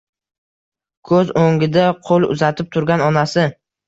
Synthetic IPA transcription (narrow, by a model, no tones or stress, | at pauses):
kʰɵzoŋɡʲɪd̪aqʰolˠʊ̰zat̪ʰɪp̚t̪ʰʊɾɡʲanɒnasɪ